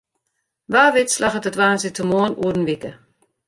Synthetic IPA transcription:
ʋaːʋɪtslaxətətʋaːnsitʰəmoənṵədn̩ʋikə

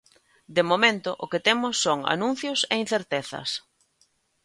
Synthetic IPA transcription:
d̪emomẽnt̪ʊʔʊkɪt̪emʊsːoŋa̰nũn̟θjosein̟θeɾt̪eθɐ̰s

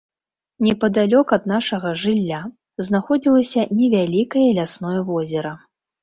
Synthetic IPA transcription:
nʲɛpɐd̪alʲɔkɐd̪naʂɐɣɐʐɨlʲːa | znaxɔd͡zʲilˠɐsʲɐnʲɛvʲalʲikɐjɐlʲasnɔjɐvɔzʲɛɾɐ

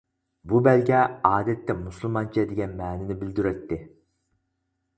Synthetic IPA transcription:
bubælɡʲɛɑːd̪ɛt̪ːɛmuslˠmɑnt͡ʃʰɛd̪ɪɡʲɛnmɛːnɪnɪbɪld̪yɾɛt̪ːɪ

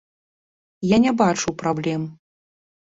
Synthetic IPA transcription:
janʲɛbat͡ʂuwpɾablʲɛm

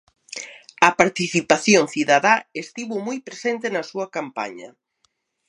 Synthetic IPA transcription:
ɐpaɾt̪iθipaθjoŋθiðaðaest̪iβomujpɾesent̪enɐsuɐkampa̰ɲɐ̰

